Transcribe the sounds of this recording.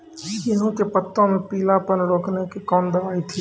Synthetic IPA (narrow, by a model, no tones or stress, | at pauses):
jɪnũk̪eːpət̪ːõmẽpiːlapənloːknekʰekɔːnd̪ɐʋaːit̪ʰiː